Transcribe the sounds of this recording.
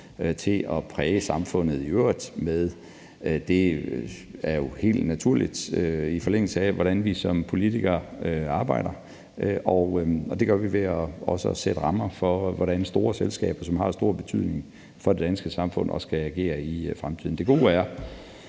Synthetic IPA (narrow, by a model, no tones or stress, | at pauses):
t͡sʰe̝ʔɒ̽pʰʁɛːəsɑ̈mfɔ̽n̰ð̞̩ˠiøːɐ̰id̥meðˠ | d̥e̝ | æɐjo̝he̝̰ːld̥næt͡sʰuɐ̰lid̥øifɒ̽leŋ̰l̩səæʋɒɾænʋisɒ̽mpʰo̝lit͡sʰiɡ̥ɐøɑ̈ːb̥ɑ̈ɪ̰ɾ̥ɐ | ʔɒʊɒ̽d̥e̝ɡ̥ɶɐʋiʋe̝ɒɒ̽səsed̥əʁɑ̈mɐfɒ̽ʋɒɾænsd̥o̝ːɐselsɡ̥ɛ̰ːb̥ɐsɒ̽mɦɑ̈sd̥o̝ɐ̰b̥e̝t͡sʰyð̞̰ˠne̝ŋ | fɒ̽d̥e̝d̥ænsɡ̥əsɑ̈mfɔ̽n̰ɒ̽sɡ̥ææɡ̥e̝̰ːɐifʁamt͡sʰḭðˠn̩d̥e̝ɡ̥o̝̰ːæɐ